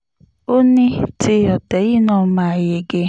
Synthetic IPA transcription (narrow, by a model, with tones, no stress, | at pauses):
o˦ni˦tɪ˦ɔ˨tɛ˨˦i˦nɔ̃˦ma˨je˨ɡe˦